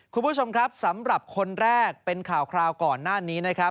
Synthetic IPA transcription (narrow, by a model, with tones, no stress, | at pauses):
kʰu˧nmbʰt͡ɕʰo˧mkʰɾa˦˥p̚sa˩˦mɾa˨˩p̚kʰo˧nɾɛː˥˩k̚pe˧nkʰaː˨˩wkʰɾaː˧wkɔː˨˩nːaː˥˩niː˦˥na˦˥kʰɾa˦˥p̚